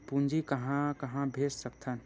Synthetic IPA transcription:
pũnd͡ʒikəɦãkəɦãbʱeːssək̚t̪ʰən

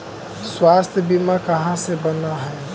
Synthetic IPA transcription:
swast̪ʰjəbimakəɦãsebənaɦɛː

